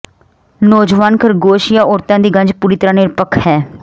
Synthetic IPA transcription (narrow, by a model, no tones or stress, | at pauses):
noːd͡ʒʋaːnkʰəɾɡoːʃjãːoːɾt̪ãːd̪iːɡə̃ɲd͡ʒpuːɾiːt̪əɾãːnɪɾpəkʰhɛː